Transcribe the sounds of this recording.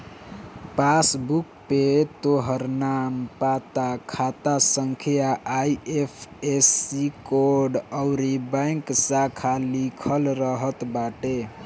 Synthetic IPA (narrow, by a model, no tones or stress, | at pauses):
pasbuk̚pet̪oɦəɾnampat̪akʰat̪asəŋkʰijaʔajepʰesikoɾɖəʊɾibə̃jŋksakʰalikʰəlɾəɦət̪baʈe